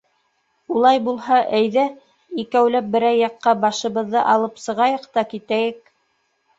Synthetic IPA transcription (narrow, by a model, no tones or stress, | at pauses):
ulˠɑjbulˠhɑʔæjðæ | ikæwlæp̚bɘ̆ɾæjːɑqːɑbɑʃɤ̆βɤ̆ðːɤʔɑlˠɤpsɤ̆ʁɑjɤqt̪ɑkit̪æjɘk̚